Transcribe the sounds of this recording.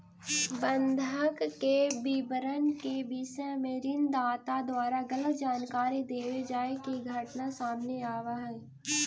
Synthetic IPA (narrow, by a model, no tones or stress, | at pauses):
bə̃nd̪ʱəkːebibəɾənkebiːsemẽɾɪnd̪aːt̪ad̪waːɾaɡələt̪d͡ʒaːnkaːɾid̪eːʋed͡ʒaːekiɡʱɐʈnasaːmneaːʋaɦɛː